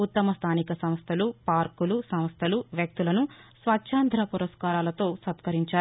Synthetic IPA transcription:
ut̪ːɐmɐst̪ʰaːnikɐsɐm̃st̪ʰɐlupaːɾkulusɐm̃st̪ʰɐluʋjɐk̚t̪ulɐnusʋɐt͡ʃːʃʰaːnd̪ʱɾɐpuɾɐskaːɾaːlɐt̪o̞ːsɐt̪kɐɾiɲt͡ʃaːɾ

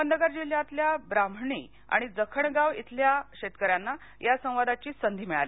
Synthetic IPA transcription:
ənd̪əɡəɾd͡ʑiljat̪ljabɾam̤ɳḭː | a̰ɽ̃id͡zəkʰəɳɡaʋḭt̪ʰljaɕet̪kəɾjanːa | jasə̃w̃ʋad̪at͡ɕiːsənd̪ʱiːmiɭa̰li

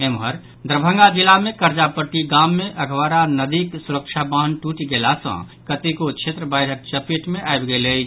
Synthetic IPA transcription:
emɦəɾ | d̪ɾəbʱə̃ŋɡad͡ʒilamẽkəɾt͡ʃapəʈiɡamːeʔəɡʱʋaɾanəd̪iksuɾəkʃʰabəɦənʈuʈiɡelasə̰̃kət̪ikot͡ʃʰet̪ɾəbəɪɖʱək̚t͡ʃəpiʈmeʔaebɡele

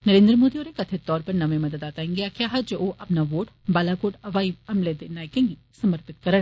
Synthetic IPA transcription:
nəɾẽːnd̪ɾəmoːd̪ioːɾekɐt̪ʰet̪ɔːɾpɐɾnɐʋẽmɐd̪əd̪aːt̪aːĩŋɡeakɪjaːɦɐd͡ʒooʔɐpnaʋoːʈ | baːlakoːʈɐʋaːiɐmled̪enaːekɛ̃ːŋɡi | sɐməɾpɪt̪̚kɐɾəɽ

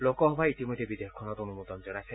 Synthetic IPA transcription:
lokɔɦɔbʱait̪imɔd̪ʱːebid̪eɔkʰːɔnɔtonumut̪ɔnd͡ʒɔnasʰɛ

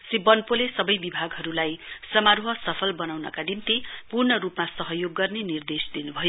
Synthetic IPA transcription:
sibʌnpolesʌbʌjbibʱaɡɦʌɾulajsʌmaɾɦʌsʌpʰʌlbʌnawnʌ̰kanimt̪ipurnʌɾupmasʌɦʌjoɡːʌrnenird̪esd̪inubʱʌjo

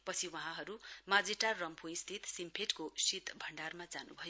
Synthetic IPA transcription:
pʌt͡sʰiwaɦãɦʌɾumad͡ziʈarːʌmpʰoist̪ʰit̪simpʰeʈkosit̪bʱʌɳɖarmad͡zanṵbʱʌjo

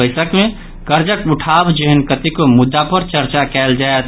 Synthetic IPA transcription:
əɪsəkme | kəɾd͡ʒəkuʈʰabd͡ʒeɦənkət̪ikomʊd̪ːapəɾt͡ʃəɾt͡ʃakɛld͡ʒaet̪

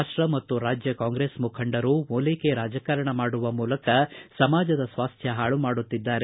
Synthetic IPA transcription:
aʂʈɾɐmɐt̪ːuɾaːd͡ʒjɐkaːŋɡɾeːsmukʰɐɳɖɐɾumoːleke̞ɾaːd͡ʒɐkɐɾɐɳɐmaːɽuʋɐmuːlɐkɐsɐmaːd͡ʒɐd̪ɐsʋaːst̪ʰjɐɦaːɭumaːɽut̪ːid̪ːaːɾe

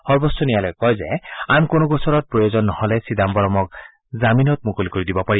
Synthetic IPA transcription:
hɔɹbɔstɔnijalɔjkɔjzeamkonoɡɔsɔɹɔt̪̚pɹɔjozɔnːɔhɔlɛsid̪ambɔɹɔmɔk̚ | zaminɔt̪̚mukolikoɹid̪ibɔpaɹi

